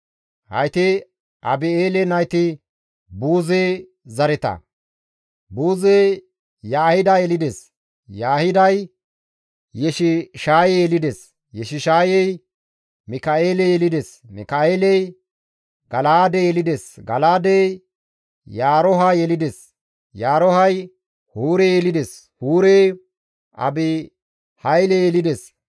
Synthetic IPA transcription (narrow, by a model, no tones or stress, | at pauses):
hɐ̰jt̪ɪ | ʔɐbɪeːlɛnɐjt̪ɪ | buːzeː | zɐɾɛt̪ɐ̰ | buːze | jaːhɪd̪ajɛlɪd̪es | jaːhɪd̪ɐj | jɛʃɪʃaːjɛjɛlɪd̪es | jɛʃɪʃaːjɛj | mɪkɐeːlejɛlɪd̪es | mɪ̰kaeːlɛj | ɡɐlaːd̪ejɛlɪd̪esɡɐlaːd̪e | jaːɾɔɦajɛlɪd̪es | jaːɾɔhɐj | huːɾejɛlɪd̪eshuːɾeː | ʔɐ̰bɪ | hɐjlejɛlɪd̪es